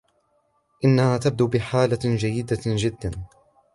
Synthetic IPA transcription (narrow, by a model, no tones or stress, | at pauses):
ʔɪnːahaːt̪ab̚d̪uːbɪħaːlad͡ʒajːɪd̪ad͡ʒɪd̪ːan